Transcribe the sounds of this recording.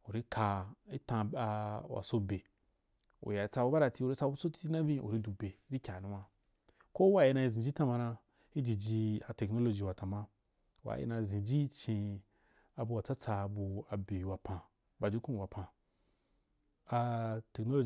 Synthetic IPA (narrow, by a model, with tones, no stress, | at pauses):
u˨ɾi˦kʰa˧i˦tã˧a˧wa̰˨so˧be˨ | ṵ˨ja˨˦t͡sa˧bu˧˦ba˦ɾa˨˧ti˧u˨ɾi˦t͡sa˧˦u˦t͡so˦ti̥˦ti˦na˦vĩ˦ʔṵ˨ɾi˦du˧be˨u˨ɾi˦kʲa˨nũ˨˦wa˦ | ko˦wa˨˦˨ji˧nã˧i˧˨zĩ˨d͡ʒi˦tã˦ma˧nã˧ | i˦d͡ʒi˨d͡ʒi˧a˨te˨kno˦lo˧d͡ʒi˨wa˨ta˨mã˦ | wa̰˨jḭ˦nã˧˨zĩ˨d͡ʒi˦t͡ʃĩ˧ | a˨bu˧wa˨t͡sa˦t͡sa˧˨bu˧a˨be˨ju˧wa˨pã˧ | ba˨d͡ʒi˦kũ˦˨wa˨pʰã˧ | a˧te˨kno˦lo˦